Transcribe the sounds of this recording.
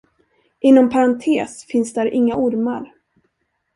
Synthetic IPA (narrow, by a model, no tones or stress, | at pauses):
ʔɪnːɔmpʰaɾant̪ʰeːsfɪnsd̪æɾʔɪŋːaʔʊɾmaɾ